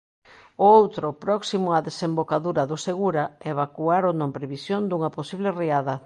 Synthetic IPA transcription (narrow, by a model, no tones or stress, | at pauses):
oowt̪ɾopɾɔksimʊaðesembokaðuɾɐðʊseɣuɾaeβakuaɾonõmpɾeβisjond̪uŋɐposiβleriaða